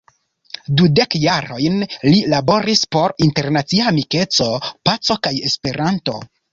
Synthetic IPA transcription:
dude̞kjaɾo̞jnlilabo̞ɾispo̞ɾinte̞ɾnat͡siamike̞t͡so̞pat͡so̞kaje̞spe̞ɾanto̞̰

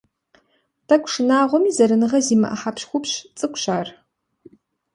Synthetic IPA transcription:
tʰɐkʷʂɨnaːʁʷɔmiːzɐɾɨnɨʁɐziːmɐ̰ʔɐ̰ħapɕxʷʊpɕt͡sʼɨkʷʰʼɕaːr

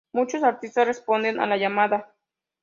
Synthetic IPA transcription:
mut͡ʃosaɾt̪ist̪asrespond̪ena̰lajamaða

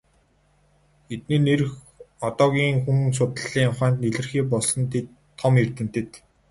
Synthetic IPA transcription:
et̪̚neːnerɘ̆x | ɔt̪ɔːɣʲiːŋxuŋs̬ʊt̪ə̆ɮiːŋʊχæːnt̪̚neɮɘ̆rxiːp̬ɔɮsɞ̆nt̪ʰet̪ʰːɔmert̪ɘ̆n̥t̪ʰĕt̪

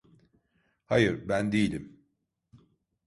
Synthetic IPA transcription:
hajɯɾbænd̪ejilʲim

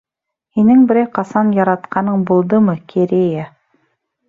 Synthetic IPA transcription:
hinɘŋbɘ̆ɾæjqɑsɑnjɑɾɑt̪qɑnɤɴbulˠd̪ɤmɤkʰeɾʲeja

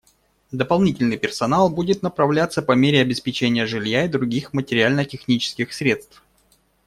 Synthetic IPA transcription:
d̪əpɐlˠnʲitʲɪlʲnɨjpʲɪrsɐnalˠbudʲɪt̪nəpɾɐvlʲat̪səpɐmʲeɾʲɪɐbʲɪspʲɪt͡ɕenʲɪjəʐɨlʲjaɪd̪ɾʊɡʲixmətʲɪɾʲɪalʲnətʲɪxnʲit͡ɕɪ̥skʲɪxsɾʲe̞t̪st̪f

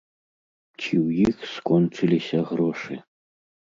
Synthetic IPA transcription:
t͡ɕiwjixskɔnt͡ʂɨlʲisʲɐɣɾɔʂɨ̰

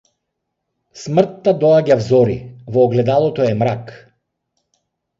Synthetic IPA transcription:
smr̩t̪ːad̪ɔaɟavzɔɾivɔːɡlɛd̪alˠɔt̪ɔɛmɾak

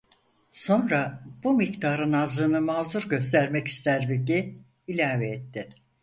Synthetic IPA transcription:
so̞nɾab̥umikt̪ʰaːɾɯnazɯːnɯmaːzuɾɟø̞st̪ʰæɾmɛci̥st̪ʰæɾbiɟi | ilʲaːvɛɛt̪ʰːɪ

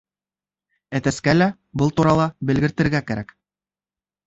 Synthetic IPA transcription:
æt̪æskælæ | bɤlˠt̪uɾɑlˠɑbɘ̆lɡɘ̆ɾt̪ɘ̆ɾɡækæɾæk

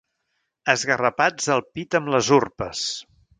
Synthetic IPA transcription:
əzɣərəpad͡zəlˠpit̪əmləzurpəs

